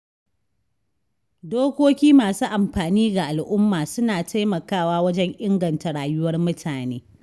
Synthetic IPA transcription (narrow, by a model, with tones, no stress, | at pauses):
doː˦kʷoː˦kʲiː˦maː˨suː˦ʔa˨mɸaː˨niː˦ɡa˨ʔa˨lʔʊ˦mːaː˨sʊ˦naː˨tʰa˦jmɐ˨kaː˦˨waː˦wɐ˦d͡ʒɛ˦ŋʔɪ˦ŋɡɐ˨nta˨ɽaː˨jʊ˦wɐ˦rmʊ˦tʰaː˨neː˦